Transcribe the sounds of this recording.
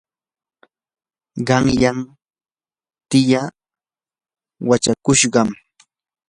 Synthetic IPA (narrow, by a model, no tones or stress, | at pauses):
ɢɑŋjam | t̪ɪja | wat͡ʃakʊʃɢɑm